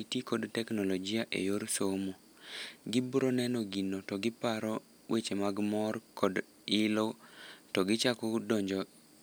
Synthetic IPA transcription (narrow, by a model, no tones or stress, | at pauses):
itikɔdtɛknɔlɔd͡ʒɪaʔḛjoɾsomo | ɡɪbuɾonɛnɔɡinotɔɡɪpaɾɔ | wʔet͡ʃemaɡmɔrkɔd | ɪlotɔɡɪt͡ʃakɔdɔɲd͡ʒɔ